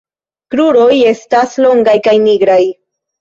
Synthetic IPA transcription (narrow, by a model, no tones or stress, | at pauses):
kɾuɾo̞je̞staslo̞ŋɡajkajniɡɾaj